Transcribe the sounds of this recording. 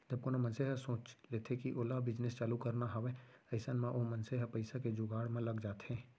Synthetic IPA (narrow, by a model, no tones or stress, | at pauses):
d͡ʒəb̚konamənseɦəsõːt͡ʃleːt̪ʰekiʔoːlabɪd͡ʒnest͡ʃaːlukəɾnaɦəʋeɐɪsənmẽʔomənseɦapəɪsaked͡ʒʊɡaːɽmẽləɡd͡ʒaːt̪ɦɛ̃ː